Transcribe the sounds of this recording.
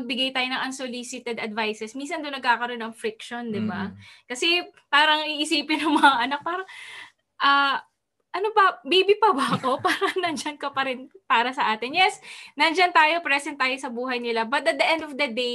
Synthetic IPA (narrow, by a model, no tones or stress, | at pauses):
ɐɡ̚bɪɡajt̪aːjonɐŋʔɐnsolisɪt̪ɛd̪ɐd̪vajsɛsminsɐnd̪onːɐɡ̚kaːkɐɾo̞nːɐŋfɾɪkʃond̪ɪba̰kɐsɛpaːɾɐŋiʔɪsiːpɪnʊŋmɐŋaʔɐnak̚paːɾɐŋ | ʔɐː | ʔɐnobɐbibɪpɐbɐɐko̞paːɾɐnɐnd͡ʒɐnkɐpɐɾɪnpaːɾɐsɐʔaːt̪ɪnjɛsnɐnd͡ʒɐnt̪aːjo̞pɾɛsɛnt̪ːaːjosɐbuːɦɐjnɪlabɐt̪̚ɐt̪̚d̪ɐʔɛnd̪ofd̪ɐd̪ej